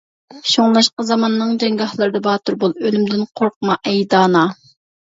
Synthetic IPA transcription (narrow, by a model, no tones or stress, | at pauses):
ʃoŋlˠɑʃqɑzɑmɑnːɨŋd͡ʒ̪ɛŋɡɑhlˠɨɾɨd̪ɑbɑːt̪uɾbolˠølymd̪ɪnqʰoɾq̚mɑʔɛjd̪ɑːnɑ